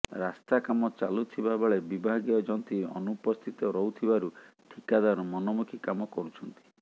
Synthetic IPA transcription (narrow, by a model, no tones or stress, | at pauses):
ɾast̪akamɔt͡ʃalut̪ʰibabeɭebibʱaɡiɔd͡ʒɔnt̪iɔ̰nupɔst̪ʰit̪ɔɾɔɦut̪ʰibaɾu | ʈʰikad̪aɾɔmɔnɔmukʰikamɔkɔɾut͡ʃʰɔnt̪i̥